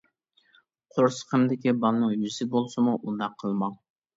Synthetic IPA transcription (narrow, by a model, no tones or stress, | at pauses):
qʰoɾsə̥qʰəmd̪ɪkʲibɑlˠnɨŋjyzsɪbolˠsɨmuʔund̪ɑqʰːəlˠmɑŋ